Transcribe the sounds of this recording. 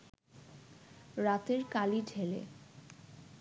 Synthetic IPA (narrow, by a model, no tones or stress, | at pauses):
ɾat̪eɾkaliɖʱelḛ